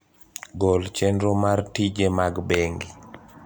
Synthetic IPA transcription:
ɡɔlt͡ʃɛndɾomartid͡ʒemaɡbeŋɡi

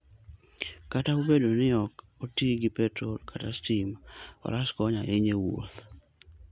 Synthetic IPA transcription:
kataubedonɪɔk | otiɡɪpɛtɾolkʰatastimɔ̰ɾaskɔɲaʔɪɲewo̰t̪

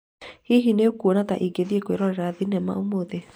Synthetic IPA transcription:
hiɦineokuonata̰ʔiɡeðiekweɾɔɾɛɾaːðinɛma̰omoðe

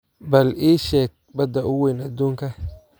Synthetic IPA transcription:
bɐliːʃɛːɡ̚bɐd̪ɐʔʊwɛjnɐd̪uːŋkʰɐ

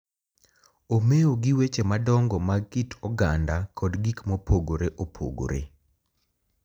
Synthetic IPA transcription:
omeoɡɪwet͡ʃemadɔŋɡɔmakitʰɔɡandakʰɔdɡikmopoɡoɾeʔopʰo̰ɡo̰ɾḛ

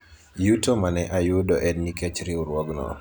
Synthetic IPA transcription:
jutomanɛʔajʊdɔʔɛdniket͡ʃɾɪuɾwɔɡnɔ̰

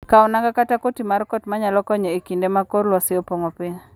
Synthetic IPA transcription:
kaɔnaŋɡakatakotimaɾkɔtmaɲalɔkɔɲɛikindemakorlwasɪɔpoŋɔpɪɲ

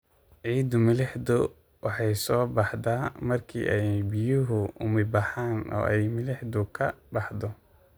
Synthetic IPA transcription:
ʕiːd̪ʊmɪlɛħd̪ʊ | wɑħɑjsɔːbɑħd̪aːmɐrkʰḭːʔɛjbɪjʊɦʊʊmɪbɑħaːnɔ̰ːʔɛjmɪlɛħd̪ʊkʰɐbɑħd̪ɔ

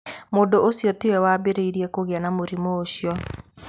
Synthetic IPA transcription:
moːndoosjɔtewɛwabeɾeiɾiɛkoɣeanamoɾimoːɕjɔ

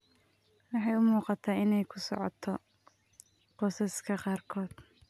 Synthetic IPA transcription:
wɑħɑjʊmuːqɑt̪ʰaːɪnɛjkʰʊ̥sɔ̰ʕɔt̪ʰɔ | qɔːsɐskʰɐqɑːrkʰɔːd̪̥

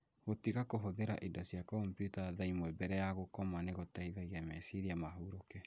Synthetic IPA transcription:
ɣotiɣakoɦoðeɾa̰ʔidɔsjakɔmpjutaðaimwɛbɛɾɛjaɣokɔmaneɣotaiɣaɣiamɛsiɾiamaɦuɾokɛ

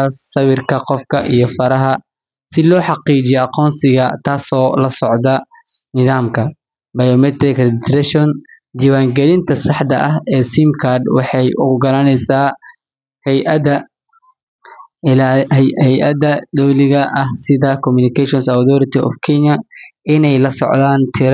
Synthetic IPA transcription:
sɐβɪrkʰɐqɔfkʰɐʔijɔfɐɾɐɦɐ | sɪlɔːħɑqiːd͡ʒɪjɛɐqɔːnsɪɣɐt̪ʰaːsɔːlɐsɔʕd̪ɐ | nɪðaːmkʰɐ | bɐjɔmɛt̪ɾɪkdt̪ɾɛʃɔn | d͡ʒɪβaːŋɡɛlɪnt̪ʰɐsɑħd̪ɐʔɐɦɛːsimkʰard̪wɑħɑjʔʊ̰ɡɐɾɐnɛjsaː | hɛjʔɐd̪ɐ | lhɛjʔɐd̪ɐd̪ɔwlɪɣɐʔɐhsɪðɐkʰɔmʊnɪkʰɛʃɔnsɐðɔɾɪt̪ʰiɔ̰fkʰɛɲɐɪnɛjlɐsɔ̰ʕd̪aːnt̪ʰɪɾ

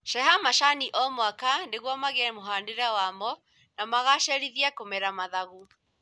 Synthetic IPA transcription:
ʃɛɦamaʃaniʔɔmwakandeɣwɔmaɣɛmoɦandeɾɛwamɔ | namaɣaʃɛɾiðiakomɛɾamaðaɣu

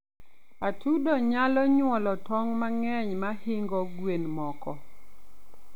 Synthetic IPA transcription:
atʰudɔɲalɔɲwɔlɔtɔŋmaŋɛɲmahɪŋɡɔɡwenmɔkɔ

